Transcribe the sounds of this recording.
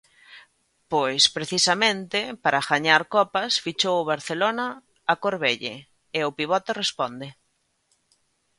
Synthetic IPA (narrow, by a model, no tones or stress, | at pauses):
pojspɾeθisɐmẽnt̪ɪpaɾaxaɲaɾkɔpɐsfit͡ʃowʊβ̞aɾθelonɐː | koɾβeʎe | eʊpiβ̞ɔt̪erespɔnd̪ɪ